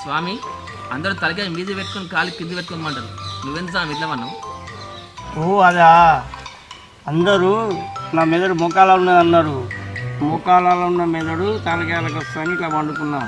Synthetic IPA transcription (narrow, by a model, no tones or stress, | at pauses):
sʋaːmi | ɐnd̪ɐɾut̪ɐlɐk̬ɛlɐmiːd͡ʒ̪ipeʈːukonikaːlikːind̪iʋeʈ̪̚konmɐɳʈɐɾunuʋend̪ɐaːmid̪lɐmɐnːɐm | oɐd̪aː | ɐnd̪ɐɾunaːmɛd̪ɐɽumɔkaːlaːunːad̪ɐnːaːɾumɔkaːlaːlɐunːɐmɛd̪ɐɽut̪ɐlɐkɛːlɐk̬ɐst̪ɐnik̪aːmɐɳɖukunːaː